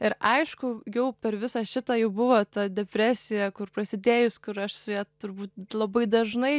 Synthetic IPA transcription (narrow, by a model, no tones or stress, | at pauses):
ɪɾʔɐɪʃkʊjɛʊpʲɛɾʋʲɪsɐʃʲɪt̪ɑjɛʊbʊʋoːt̪ɐd̪ʲɛpʲɾʲæːsʲɪjɛkʊɾprɐsʲɪd̪ʲeːjʊskʊɾɐʃsʊjæːt̪ʊɾbuːt̪̚lˠɐbɐɪd̪ɐʒnɐɪ